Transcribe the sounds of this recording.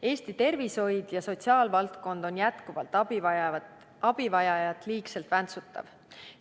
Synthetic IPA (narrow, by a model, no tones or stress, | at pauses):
e̞ːst̪it̪e̞rviso̞jd̪̥jɑso̞t̪siɑːlvɑlt̪ko̞nd̪̥o̞njæt̪kuvɑ̰lt̪ːˑ | ɑb̥ivɑjɑjɑt̪ːˑliːkselt̪vænt̪sut̪ˑːɑ̰v